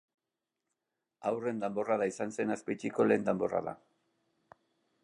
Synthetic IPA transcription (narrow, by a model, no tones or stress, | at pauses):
awre̞nd̪ambo̞raðaisanse̞naspet͡ʃiko̞le̞ːnd̪ambo̞ra̰ða̰